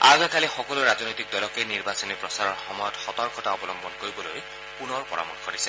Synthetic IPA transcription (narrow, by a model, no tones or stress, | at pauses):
a̰ɡakʰalixɔkɔluɹaznojt̪ik̚d̪ɔlɔkejniɹbasɔnipɹɔsaɹɔɹxɔmɔjɔtxɔt̪ɔɹkʰɔtaɔbɔlɔmbɔnkoɹibɔlo̰j | punɔɹpɔɹa̰mɔ̰ɹkʰɔɾisɛ